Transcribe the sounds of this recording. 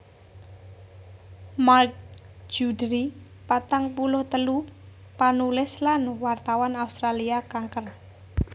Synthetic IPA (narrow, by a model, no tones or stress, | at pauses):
mark̚d͡ʒ̥udɾi | pat̪aŋpulʊht̪əlu | panulɪslanwart̪awanaust̪ɾaliakaŋkər